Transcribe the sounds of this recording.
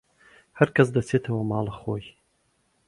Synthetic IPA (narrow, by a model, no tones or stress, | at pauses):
hɐɾkʰɐs̬d̪ɐseːt̪ʰɐwɐmɑːlɨxoːj